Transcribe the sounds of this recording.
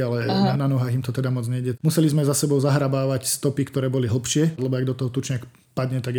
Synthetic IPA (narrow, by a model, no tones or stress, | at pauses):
alɛananɔɦaːɣimt̪ɔt̪ɛd̪amɔd͡zɲɛɟɛmusɛlizmɛzasɛbɔʊzaɦɾabaːʋacst̪ɔpikt̪ɔɾɛːbɔliɦl̩ˠpʃɪɛlɛbɔaɡd̪ɔt̪ɔɦɔt̪ut͡ʃɲak | pad̪ɲɛt̪aɡ